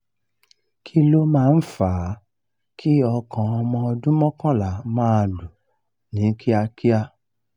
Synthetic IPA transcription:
kʰi˦lo˦mãː˦˧n̩˦faː˨˦ | kʰi˦ɔ˧kã˨ɔ˧mɔ̃˧ɔ˧dũ˦mɔ̃˦kã˦la˨mãː˦˨lu˨ | nĩ˨˦kʰi˦a˧ki˦a˧

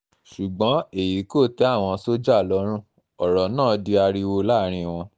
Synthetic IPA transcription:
ʃu˨ɡ͡bɔ̃˨˦e˦˨ji˨˦ko˦˨tɛ˨˦a˦˨w̃ɔ̃˧so˦d͡ʒa˦˨lɔ˨˧˦ɾ̃ũ˦ | ɔ˨ɾɔ˨nãː˦˨˦di˧a˧ɾi˧wo˧la˦ɾ̃ĩ˧w̃ɔ̃˧

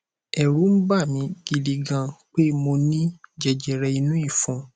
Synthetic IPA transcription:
ɛ˨ɾu˨˦m̩˦ba˦˨mĩ˧ɡ̥i˨di˨ɡã˧k͡pe˦mo˧nĩ˦d͡ʒɛ˨d͡ʒɛ˨ɾɛ˧i˧nũ˦i˦˨fũ˨˦

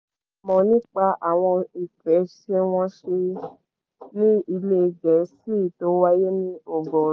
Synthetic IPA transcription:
mɔ̃˨nĩ˦k͡pa˧ʔa˨w̃ɔ̃˧i˨fɛ˨˦ʃe˧w̃ɔ̃˦ʃe˧ | nĩ˦i˧le˦˧˨ɡɛ˨˦si˦˨to˨˦wa˦je˦nĩ˦o˨ɡɔ˨˦

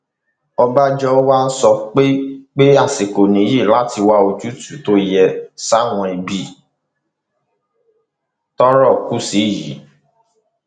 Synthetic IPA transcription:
ɔ˧ba˦d͡ʒɔ˦wa˦n̩˦sɔ˧˦k͡pe˦k͡pe˦a˦˨se˨ko˨nĩ˨˦ji˦˨la˦ti˧wa˧˦o˧d͡ʒu˦tu˨to˦jɛ˧sa˦w̃ɔ̃˧i˧bi˦ | tɔ˦ɾɔ˦˨ku˦si˨˦˨jḭ˨˦

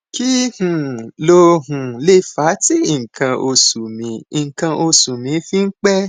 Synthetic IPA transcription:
ki˦hũ˨lo˧ɦũ˨le˦˨fa˨˦ti˦i˨kã˧ʔo˧su˨mĩ˨˧˦ĩ˨ŋ˨kã˧ʔo˧su˨mĩ˨˧˦fĩ˦ŋ̩˦k͡pɛ˦

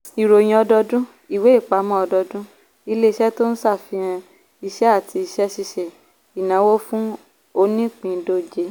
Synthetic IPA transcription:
i˨ɾo˨j̃ĩ˧˦ɔ˧dɔ˧dũ˦ | i˦˨we˨˦i˦˨k͡pa˨˦mɔ̃˦ɔ˧dɔ˧dũ˦ | i˧le˦i˧˦ʃɛ˦to˦n̩˦sa˦˨fi˧˦ã˧ | i˧ʃɛ˦a˦˨tʰi˧i˧ʃɛ˦ʃi˧ʃɛ˨ | i˨nã˨˦wo˦fũ˦ | o˧nĩ˦k͡pĩ˨˧˦do˦˨d͡ʒe˨˦

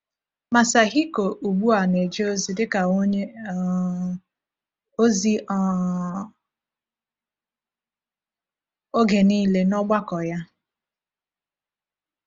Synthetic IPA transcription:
ma˨sa˨ɦi˦ko˨ʔu˨ɡ͡bu˦a˨ne˨d͡ʒe˦o˦zi˨dɪ˦ka˨˦ | o˦zi˦˨ | o˦ɡe˨niː˦le˦nɔ˦ɡ͡ba˦kɔ˨ja˦

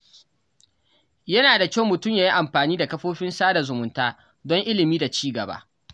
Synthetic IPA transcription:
jɐ˦naː˨da˨kʲa˦wmʊ˨tʊ˦˨mjaː˦ji˦ʔa˨mɸaː˨niː˦da˨kɐ˦ɸoː˦ɸɪ˦nsaː˦da˨zʊ˨mʊ˨ntaː˦ | dɔ˦ŋʔɪ˦lɪ˨miː˦da˨t͡ʃiː˦ɡɐ˨ba̰ː˦

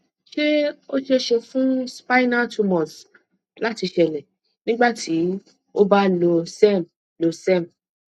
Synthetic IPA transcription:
ʃe˦o˦ʃe˦ʃe˧fũ˦spa˦jna˦˨tʰu˧mɔ̃˨s | la˨˦ti˧ʃɛ˨lɛ˨ | nĩ˦ɡ͡ba˦˨tʰi˨˦ | o˦ba˦lo˧sɛ˦˨m | lo˧sɛ˦˨m̩˨

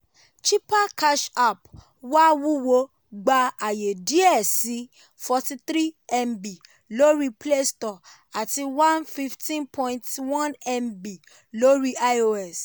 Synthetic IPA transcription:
t͡ʃi˦pa˦ka˦ʃa˨p | wa˦wu˦wo˧ | ɡ͡ba˧a˨je˨di˨˦ɛ˦˨si˨˦ | fɔ˧ti˧t̪ɾi˦ɛ˧mbi˨ | lo˦ɾi˦ple˦stɔ˨ | a˨ti˧wã˦nfi˦˧ftĩ˦npʰɔ̃˦ĩntwɔ̃˦nɛ˧mbi˨ | lo˦ɾi˦a˦o˧ɛ˨s

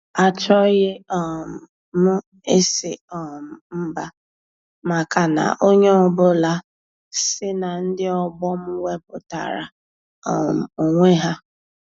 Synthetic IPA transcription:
a˨t͡ʃɔ˦ɣɪ˦ɔ˨m̩˨ | mʊ˦ | e˦se˨ɔ˨m̩˨m̩˦ba˦ | ma˨ka˨na̰˨ʔo˦ɲe˦ɔ˦bʊ˦la˦ | sɪ˦na˨n̩˦dɪ˦ɔ˦ɡ͡bɔ˦mʊ˦we˦pʊ˨ta̰˨ɾa̰˨ | ɔ˨m̩˨o˨ŋʷe˦ɦa˦

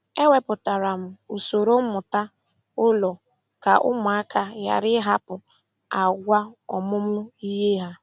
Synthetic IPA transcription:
e˦we˦pʊ˨ta˨ɾa˨m̩˨u˨so˨ɾo˦mʊ˨ta˦ | ʊ˦lɔ˨ | ka˨ʔʊ̰˦mʊ˨a˦kʰa˨ja̰˨ɾɪ˦ɦa˦pʊ˨ | a˨ɡʷa˦ɔ˨mʊ˦mʊ˦i˦ɦe˦ɦa˦

